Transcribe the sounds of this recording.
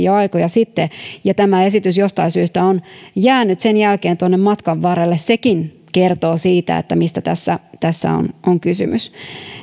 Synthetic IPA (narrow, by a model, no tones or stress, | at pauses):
iɑjkojɑsit̪ːejɑt̪æmæe̞sit̪ysjost̪ɑisyːst̪æonjæːnyt̪senjælkeːnt̪uonːemmɑt̪kɑʋʋɑɾelːesse̞kin | ke̞rt̪o̞ːsiːt̪æ̰ḛt̪ːæmist̪æt̪æsːæt̪æsːæ̰o̰noŋkysy̰mys